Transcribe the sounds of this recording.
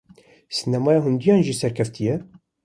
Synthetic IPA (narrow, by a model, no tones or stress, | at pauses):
sinæmɑːjɑɦʊnd̪ijɑːnʒisæɾkʰæft̪ʰijɛ